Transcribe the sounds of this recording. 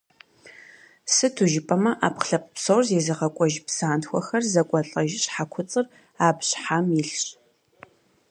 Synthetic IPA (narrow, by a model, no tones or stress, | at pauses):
sɨtʰuʒɪpʼɐmɐʔaːpχɬɐp̚əpsowrzeːzɨʁɐkʷʼɔʒpsaːntxʷɔxɐrzɐkʷʼɔɬʼɐʒɪɕħakʷʰʊt͡sʼɨr | aːbɕħamɪɬɕ